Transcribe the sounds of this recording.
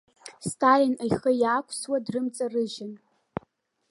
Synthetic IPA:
stʰalɪnajχəjaːkʷʰswadrɨmt͡sʼarɨʒɪn

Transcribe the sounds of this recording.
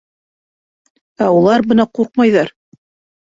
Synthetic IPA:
æulˠɑɾbɤnɑquɾq̚mɑjðɑɾ

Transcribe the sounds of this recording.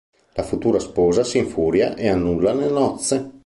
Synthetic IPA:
lafut̪uːɾaspɔːzasiɱfuːɾja̰ʔeanːulːanelnɔt̪sːe

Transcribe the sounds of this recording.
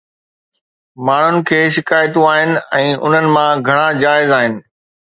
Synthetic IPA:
maːɳ̤ʊnɪ̆kʰeːʃɪkaːjt̪ũaːɦɪnɪ̆ɛ̃ːʔʊ̰n̤ənɪ̆mãɡʱɐɽ̃ad͡ʑaːɪzaːɦɪnɪ̆

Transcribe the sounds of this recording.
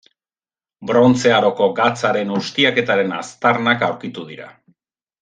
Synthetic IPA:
bɾo̞nt͡se̞aɾo̞ko̞ɡat͡saɾe̞nust̪iake̞t̪aɾe̞na̰st̪aɾnakawɾkit̪uðiɾa̰

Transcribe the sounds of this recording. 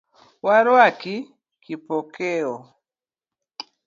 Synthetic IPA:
waɾwaki | kipɔkeɔ

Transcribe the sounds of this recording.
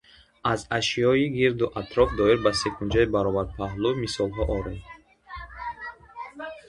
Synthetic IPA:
azaʃiɔiɡiɾd̪uʔat̪ʰɾɔfd̪ɔiɾbasekʰund͡ʒaibaɾɔvad̪̚pʰaɦlumisɔlˠɦɔʔɔɾed̪

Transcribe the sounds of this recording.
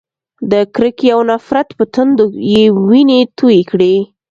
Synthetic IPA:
d̪əkɾəkiawnafɾat̪pət̪ənd̪ojewinet̪ujekɽe

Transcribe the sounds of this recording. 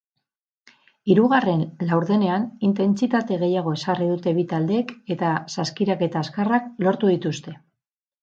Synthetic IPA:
iɾuɣare̞nlawɾðe̞ne̞anint̪e̞nt͡sit̪at̪e̞ɣe̞jaɣ̞o̞e̞sariðut̪e̞βit̪ald̪e̞ːke̞t̪asaskiɾake̞t̪aːskarak̚lo̞ɾt̪uðit̪ust̪e̞

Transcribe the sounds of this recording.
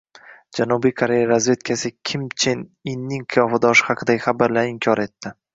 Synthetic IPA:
d͡ʒanubijkʰoɾe̞jaɾazve̞t̪kʲʰasɪkʲʰɪmt͡ʃʰeninːɪŋqʰɨjɒfad̪ɒʃɪ̥hɑqʰɨd̪aɡʲɪχabaɾlaɾɪmkʲʰɒɾe̞t̪ːɪ

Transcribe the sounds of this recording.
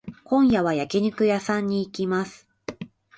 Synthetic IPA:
kõ̞ɰ̃jaβajakʲiɲ̟ɯkɯ̟jasãɲ̟ːiːkʲimasɨ̥

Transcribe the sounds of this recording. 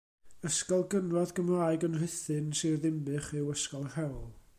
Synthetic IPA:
əskɔlˠɡənrɔðɡəmlaːɨɡənr̥ɪθɨnsɨrðɪmbɨχɪwəskɔlˠrɛwlˠ

